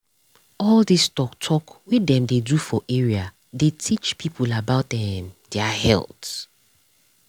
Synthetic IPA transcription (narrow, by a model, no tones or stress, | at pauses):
ɔldistɔktʰɔkwiɛ̃mdedufɔʔɛɹia | detʰit͡ʃpʰipʰulabaʊtɛ̃ndɛahɛ̰lt